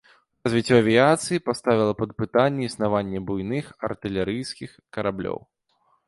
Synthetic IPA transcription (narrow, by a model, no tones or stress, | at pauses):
razvʲit͡sʲːɔɐvʲiat̪sɨjipast̪avʲilˠɐpɐd̪̚pɨt̪anʲːɛisnavanʲːɛbujnɨxɐ̰rt̪ɨlʲɛɾɨjskʲixkɐɾablʲɔ̰w